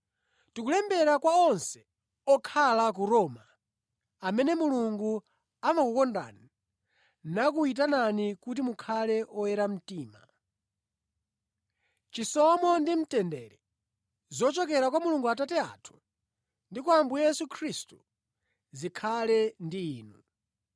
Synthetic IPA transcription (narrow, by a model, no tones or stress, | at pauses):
tikulɛmbɛɾakwaɔnsɛ̥ | ɔkʰalak̬uɾɔːma | amɛnɛmuluŋɡu | aɱakukɔnda̰ni | nak̬uit̬ananikut̬imukʰalɛɔjɛɾam̩tiːma̰ | t͡ʃisɔmɔndim̩tɛndɛɾɛ | zɔt͡ʃɔk̬ɛɾakwamuluŋɡuatatɛa̰tʰu̥ | ndikuambujɛsukʰɾistu | zikʰalɛndiiːnu